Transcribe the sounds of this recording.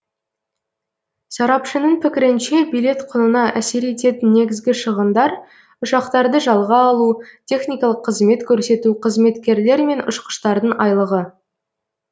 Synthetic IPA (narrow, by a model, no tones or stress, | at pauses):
sɑɾɑpʃənəɴpʰɪkʲɪɾɪnʃe̞bijlʲˠe̞t̪qʰʊnənɑʔæse̞ɾe̞t̪e̞t̪ɪnːe̞ɡʲɪzɡʲɪʃəʁənd̪ɑɾ | ʊʃɑqt̪ɑɾd̪əʒɑlˠʁɑːlˠut̪ʲʰe̞χnijkɑlˠəqʰːəzme̞t̪kʲʰɵɾse̞t̪uqʰəzme̞t̪kʲe̞ɾle̞ɾme̞nʊ̰ʃqə̥ʃt̪ɑɾd̪əɴʔɑjlˠəʁə